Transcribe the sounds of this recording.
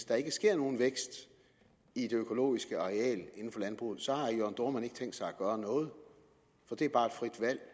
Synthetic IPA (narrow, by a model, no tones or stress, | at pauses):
sd̥ɑ̈e̝ɡ̥əsɡ̥e̝ɐ̰no̝ːn̩ʋeɡ̥sd̥ | id̥e̝økʰo̝lo̝̰ːisɡ̥əɒʁɛɛ̰ːləe̝n̩fɒ̽lænb̥ʁṵːð̩ˠsɒ̽hɑ̈joɐnd̥o̝ɐ̰mæneɡ̥t͡sʰeŋ̰ɡd̥sɑ̈ɪæɡ̥ɶːɐnɔ̽ːð̞̩ˠ | fɒ̽d̥e̝æɐbɑ̈ːed̥fʁid̥ʋæl̰